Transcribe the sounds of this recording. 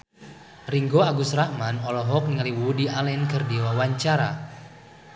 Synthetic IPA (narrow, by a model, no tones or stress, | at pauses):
riŋɡɔaɡusraʔmanɔlɔɦɔk̚niŋaliwudialɛnkɨrdiwawaɲt͡ʃaɾa̰